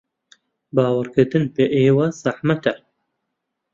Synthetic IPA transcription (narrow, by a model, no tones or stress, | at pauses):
baːwɐɾkɨɾd̪ɨnpeʔeːwɐz̥aħmɐt̪ɐ